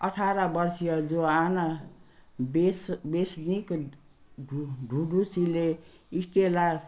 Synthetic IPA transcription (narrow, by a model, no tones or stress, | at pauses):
ʌʈʰaɾʌbʌrsijʌd͡zoana | besbesnik | ɖʱuɖusile | isʈelar